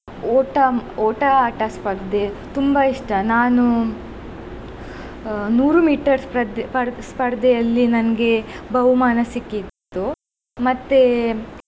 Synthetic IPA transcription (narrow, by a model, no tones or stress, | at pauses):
ɔːʈɐoːʈɐaːʈɐspɐɾd̪et̪umbɐiʂʈɐnaːnu | nuːɾumiːʈɐɾspɐd̪pɐɾspɐɾd̪ɛjɐlːinɐnɡe̞bɐɦumaːnɐsikːit̪t̪ːu | mɐt̪ːe